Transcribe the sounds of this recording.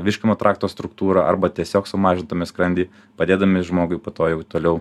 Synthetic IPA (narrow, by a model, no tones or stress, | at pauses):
ʋʲɪʃʲkʲɪmoːt̪ɾʔɑːkt̪oːst̪ɾʊkt̪uːɾɐʔɐ̰ɾbɐt̪ʲiɛsʲoːksʊmɑːʒʲɪnt̪ɐmʲɪskɾɐnʲd̪ʲiː | pɐd̪ʲeːd̪ɐmʲɪʒmoːɡʊɪpoːt̪oːjɛʊt̪oːlʲɛʊ